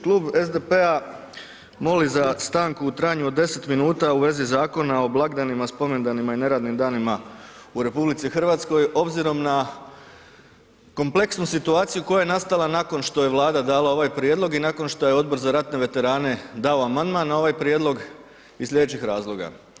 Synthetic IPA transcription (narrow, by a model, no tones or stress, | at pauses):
klˠuːbe̞zd̪epe̞a | mo̞lizast̪aːŋkuut̪ɾaːjɲuo̞d̪ːe̞se̞t̪minuːt̪auʋe̞zizaːko̞nao̞blˠaɡd̪animaspo̞me̞nd̪animaine̞ɾaːd̪nimd̪aːnimauɾe̞publit̪sixr̩ʋaːt̪sko̞jʔo̞bziɾo̞mna | ko̞mple̞ksnusit̪uaːt̪sijuko̞jaje̞nast̪alˠanako̞nʃt̪o̞je̞ʋlˠaːd̪ad̪aːlao̞ʋajpɾjeːd̪lˠo̞ɡinako̞nʃt̪o̞je̞o̞d̪̚bo̞ɾzaɾat̪ne̞ʋe̞t̪e̞ɾaːne̞d̪aoamand̪manːao̞ʋajpɾjeːd̪lo̞ɡ | islʎʲje̞d̪eːt͡ɕixɾaːzlˠo̞ɡa̰